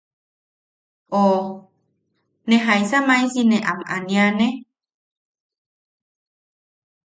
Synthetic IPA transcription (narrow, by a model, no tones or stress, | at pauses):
ʔo | nẽɦajsamãĩsinẽʔamʔa̰nĩanẽ